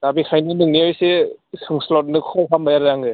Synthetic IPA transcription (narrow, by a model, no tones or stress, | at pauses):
dabikʰajnɯnɯŋniajsesɯŋslɔt̚nɯkʰɔwɦʰambajaɾɾaŋɯ